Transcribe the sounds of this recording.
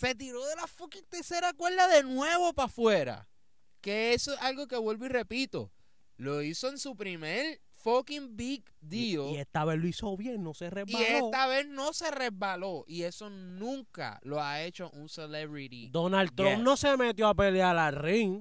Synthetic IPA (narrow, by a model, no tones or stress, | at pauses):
se̞t̪̬iɾo̞ðe̞lafokiŋt̪eɾse̞ɾakwe̞ld̪aðe̞nwe̞βo̞pafwe̞ɾa̰ | ke̞esosalɡo̞ke̞βwe̞lβoire̞pit̪o̞̰ | lo̞iso̞e̞nsupɾime̞ɾ | fokimbik | d̪ioiest̪aβehloisoβjeŋno̞sereibalesot̪aβe̞hno̞se̞re̞zβalo̞ʔie̞so̞nũŋka̰lo̞ae̞t͡ʃo̞ʔunseleβɾiɾḭd̪o̞nalt̪ɾompno̞semet̪joapelealariŋ